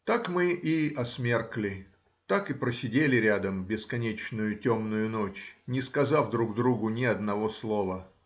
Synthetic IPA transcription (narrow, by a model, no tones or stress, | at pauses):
t̪akmɨʔiɐsmʲerklʲɪ | t̪akɨpɾəsʲɪdʲelʲɪɾʲad̪əmbʲɪskɐnʲet͡ɕnʊjʊtʲomnʊjʊnot͡ɕnʲɪskɐzafd̪ɾuɡd̪ɾuɡʊnʲɪɐd̪nɐvo̞slˠovə